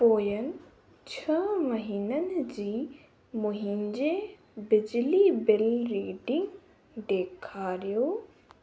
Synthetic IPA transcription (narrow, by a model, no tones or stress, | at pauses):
poːjənɪ̆ | t͡ɕʰəməɦiːnənɪ̆d͡ʑiː | mʊɦɪnd͡ʑe | bɪd͡ʑlibɪlɾiːɖɪ̃ŋɡ | d̪eːkʰaːɾijoː